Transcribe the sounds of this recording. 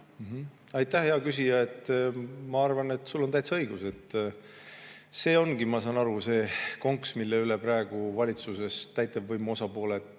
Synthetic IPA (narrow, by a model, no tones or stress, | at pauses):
m̩ɦ̩ | ɑjt̪ˑːæhheɑkys̬ʲijɑe̞t̪ːmɑɑrvɑne̞t̪ːˑsulːot̪æjt̪sɑɤjɡ̥use̞t̪ː | se̞ːo̞nɡ̥imɑsɑːnɑɾuse̞ːko̞ŋksmilːeylepɾæeɡ̥uvɑlʲit̪suse̞st̪æjt̪ːˑɑvvɤjmo̞sɑpo̞ːle